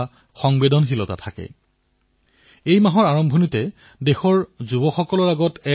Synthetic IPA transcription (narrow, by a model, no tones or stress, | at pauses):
xɔŋbedɔnxilɔta̰tʰakɛ̰ | ejmaɦɔɹaɹɔmbʱɔnitɛ | dexɔɹzubɔxɔkɔlɔɹaɡɔtɛ